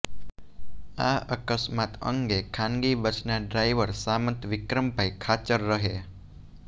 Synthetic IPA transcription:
a̰əkəsmat̪ə̰ŋɡekʰãŋɡibət͡ʃʰnaɖɾajʋəɾsamənt̪ʋɪkɾəmpajkʰat͡ʃəɾːəɦe

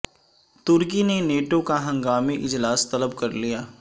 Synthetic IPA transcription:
t̪ʊɾk̬ineneːʈokaɦɐ̃ŋɡaːmiʔɪd͡ʒlaːst̪ɐləbkɐɾlijaː

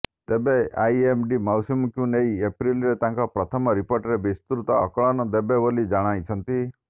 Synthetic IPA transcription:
t̪ebeajemɖimawsumkjũnejepɾilɾet̪ãŋkɔpɾɔt̪ʰɔmɔɾipoɾʈɾebist̪ɾut̪ɔ̰ːkɔɭɔnɔd̪ebebolid͡ʒaɽ̃ajt͡ʃʰɔnt̪i

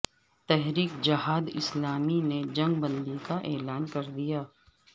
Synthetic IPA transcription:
t̪ɛɦɾiːkd͡ʒɐɦaːd̪ɪ̰slaːmined͡ʒɐ̃ŋɡbɐ̃nd̪ikaʔeːlaːnkɐɾd̪ijaː

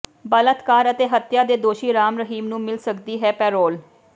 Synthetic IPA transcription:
bələt̪kaːɾət̪eːɦət̪jaːd̪eːd̪oːʃiːɾaːmɾəɦiːmnũːmɪlsəkd̪iːɦɛːpɛːɾoːl

